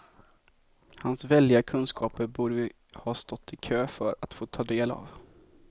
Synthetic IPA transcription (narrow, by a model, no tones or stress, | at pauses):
hansvɛlːɪakʰɵnskʰɑːpəɾbuːɖə | hɑːst̪ɔt̪ʰːɪkʰøːfœɾa̰t̪foːt̪ʰɑːd̪eːla̰v